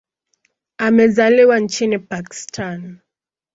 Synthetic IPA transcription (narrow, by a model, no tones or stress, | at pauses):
amɛzaliwant͡ʃinipaki̥stʰan